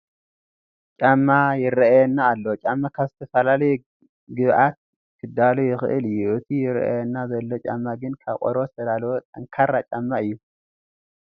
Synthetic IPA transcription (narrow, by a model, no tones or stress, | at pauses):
t͡ʃʼamːajɪɾɐajɛnːaːlːo̞t͡ʃʼamːakʰaβzɨt̪ʰɐfɐlalɐjɛ | ɡɨβʔat̪̚ | kʰɨd̪alujɪxɨ̰ʔɨ̰lɨjːuʔɨt̪ʰijɪɾɐ̰ʔa̰jɛnːazɐlːo̞t͡ʃʼa̰mːaɡɨnkʰaβqʼo̰ɾozɨt̪ʰɐd̪alwot̪ʼɐŋkʰaɾat͡ʃʼamːaɨjːu